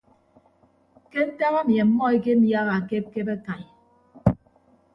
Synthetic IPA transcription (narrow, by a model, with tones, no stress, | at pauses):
ke˦n̩˦ta˦ɣa˦mje˨m̩˦mɔ˦e˦k̬e˦m̩˦ja˦ɣa˨a˨ke˦p̚ke˦be˦ka˨ɲ˨